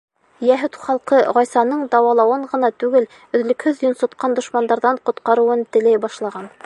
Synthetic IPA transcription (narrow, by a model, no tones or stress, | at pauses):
jæɦʉt̪χɑlˠqɤʁɑjsɑnɤɴd̪ɑwɑlˠɑwɤɴʁɤ̆nɑt̪ʉɡɘl | ɵ̆ðlɵ̆khɵðjŏnsŏt̪qɑnd̪ŏʃmɑnd̪ɑɾðɑɴqŏt̪qɑɾɤ̆wɤnt̪ɘ̆læjbɑʃlˠɑʁɑn